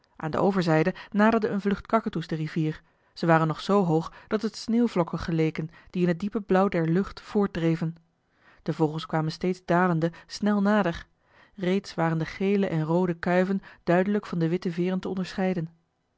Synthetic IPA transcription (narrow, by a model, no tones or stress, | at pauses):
ʔa̰ːndə̰ʔowvəɹzɛjdənaːdəɹdəənvlɵχtkɑkətuzdəriviːɹ | z̥əʋaːrənːɔχsowɦowχd̥ɑtətsneːwvlɔkənχəlejkənd̥iɪnɦət̚dipəblɔwdɛɹlɵχtfʊːɹt̚drejvən | d̥əvɔlˠχənskʋaːmənstejdzdaːləndəsnɛlˠnaːdəɹ | rejtsʋaːəndəχejləʔɛnrowdəkœɥvənd̥œɥdələkfɑndəʋɪtəvɪːrəntəɔndəɹsχɛjdən